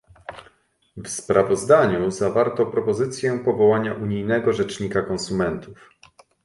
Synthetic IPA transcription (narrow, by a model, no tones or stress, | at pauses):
vspɾʔavɔzd̪aɲuzavaɾt̪ɔpɾɔpɔzɘt̪sʲjɛpɔvɔwaɲaʔuɲijnɛɡɔʐɛt͡ʂɲikakɔnsumɛnt̪uf